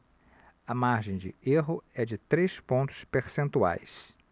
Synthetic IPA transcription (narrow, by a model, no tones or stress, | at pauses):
ɐmaɾʒẽj̃d͡ʒɪeɦʊɛd͡ʒɪt̪ɾespõnt̪ʊ̥speɾsẽnt̪ua̰js